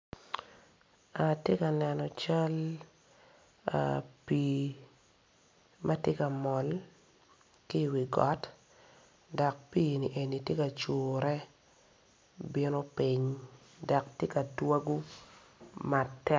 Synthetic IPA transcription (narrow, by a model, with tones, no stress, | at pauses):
a˨tje˦ka˨nɛ˨nɔ˨t͡ʃa˦l | a̰˨pi˨ | ma˦tje˦ka˨mɔ˨l | ki˦˨wi˨ɡɔ˨˦t | da˨k̚pi˦ni˨ʔe˨ni˨tje˦ka˨t͡ʃuː˨ɾɛ˦ | bi˦no˦pɪ˦ɲ | da˨ktje˦ka˨twa˦ɡu˦ | ma˨tɛ˦